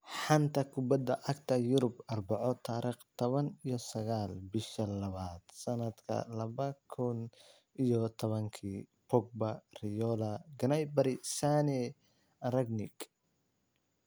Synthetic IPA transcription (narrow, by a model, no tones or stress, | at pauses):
ħɑnt̪ʰɐkʰʊbɐd̪ɐʔɐkt̪ʰɐjʊɾʊbɐrbɑʕɔt̪ʰaːɾiːχt̪ʰɔβɐnijɔsɐɣaːlbɪʃɐlɐβaːd̪̥sɐnɐd̪kʰɐ̰lɐβɐkʰʊn | ijɔt̪ʰɔβɐŋkʰiːpɔɡ̚bɐrɪjɔlɐɡɐnɐjbɐɾɪsaːnɛ | rɐɡnɪɡ